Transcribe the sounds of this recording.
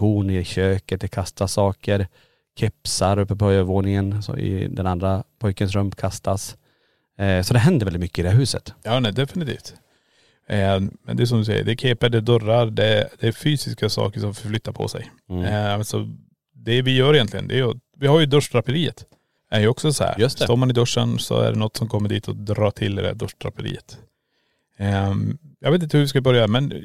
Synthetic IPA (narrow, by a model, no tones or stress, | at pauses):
b̥uːnɪɕøːkət̪̚d̪ɛkʰast̪ʰasɑːkəɾ | kʰɛpsaɾɵpːəpʰɔjœvoːnɪŋənsɔ̰ɪ̰d̪ɛnand̪ɾapʰɔjkənsɾɵmpkʰast̪as | sɔd̪ɛɦɛnd̪əɾvɛlɪt̪mʏkːəɪd̪ɛhæɾɦʉːsə̰t̪jɑːnɛd̪ɛfɪnɪt̪ʰḭːft̪ | mɛ̰nd̪ɛs̬ɔmd̪ɵsɛ̰jə̰ɖɛkʰeːpəɖɛd̪œɾaɾd̪ɛd̪̥ɛːɾfyːsɪskasɑ̰ːkəʂɔmfœɾflʏt̪ːaɾpʰɔ̰sɛ̰j | sɔ̰ | d̪ɛvɪjœːɾɪjɛnt̪lɪɡənd̪ɛːjvɪhaɾjɵd̪ɵʂdʰɾapəɾiːət̪ | æjɵɔksɔsɔhæ̰ːɾssɔmanɪd̪œʂːənsɔ̰æ̰ɖɛnɔt̪ːsɔmkʰɔmːəɖiːt̪ʰɔd̪ɾɑːt̪ʰɪld̪ɪd̪ɛæ̰ɖ̪œʂdʰɾa̰pəɾḭːət̪ | jɑ̰ɡveːt̪ɪt̪əhʉvɪs̬kabœɾjamɛn